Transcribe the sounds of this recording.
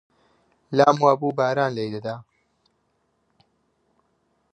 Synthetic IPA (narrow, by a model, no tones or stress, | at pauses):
laːmwaːbuːbaːɾaːnlejd̪ɐd̪aː